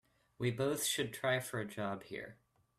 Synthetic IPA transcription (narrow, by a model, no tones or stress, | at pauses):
wiboʊθʃɨd̚tʰɹ̥aɪfə˞ɨd͡ʒɑb̥hḭɹ